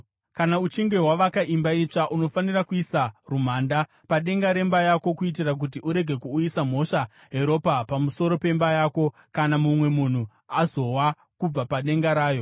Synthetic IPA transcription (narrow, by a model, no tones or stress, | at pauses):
kanaut͡ʃiŋɡe̞ɦwaʋakaʔimbait͡ʂaʔuno̞fanirakuisarum̤aːnda | paɗe̞ŋɡaɾe̞mbajako̞kuit̬irak̬ut̬iʔuɾe̞ɡʱe̞kuːisam̤o̞ʂa | ɦe̞ɾo̞papamuso̞ɾo̞pe̞mbajaːko̞ | kanamumwe̞mun̤u | azo̞wa | kub͡vapaɗe̞ŋɡaɾaːjo̞